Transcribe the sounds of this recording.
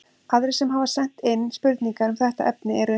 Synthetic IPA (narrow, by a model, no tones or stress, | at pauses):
aðɾɪsɛmɦavasɛn̥t̪ɪnːspʏɾt̪niŋkaɾʏmθɛht̪a̰ʔɛpnɪɛɾʏ